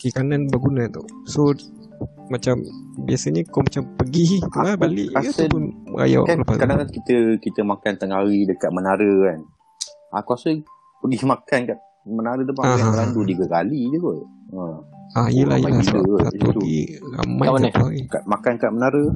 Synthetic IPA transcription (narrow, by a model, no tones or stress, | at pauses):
kikananbaɡunat̪a | so | mat͡ʃambiasəɲəkomat͡ʃampəɡit̪ulahbalɪ̰ʔapʊnəɾa̰ja̰w̰klapast̪kadaŋkakit̪əkit̪əmakant̪əŋaɾidəkat̪̚mənaɾəkan | akuasə | pəɡimakankat̪̚ | mənaɾət̪upaaɦãəlandut̪iɡəkalid͡ʒəɡɔtəajəla̰hjəalasaasa̰t̪ṵɡḭɾa̰majat̪uaɣikaʔ̪̚makankaʔ̪̚mənaɾə